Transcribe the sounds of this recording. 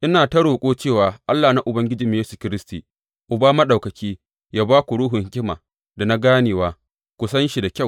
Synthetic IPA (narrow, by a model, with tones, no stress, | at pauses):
ʔɪ˦naː˨tɐ˦ɽoː˨kʷʼoː˦t͡ʃeː˦˨waː˨ʔa˦lːaː˨na˦ʔʊ˨bɐ˦ŋɡʲɪ˦d͡ʒi˨˦m˦jeː˦su˨kʲɪ˦ɾɪ˦stiː˨ | ʔʊ˨baː˦mɐ˦ɗa˨wkɐ˨kʲiː˦ | jaː˦baː˦kʷu˨ɽuː˦ɦʊ˨ŋhkʲɪ˦ma̰ː˨ | da˨na˦ɡaː˦neː˨waː˨˦ | kʷʊ˨sɐ˦nʃi˨da˨kʲa˦˨w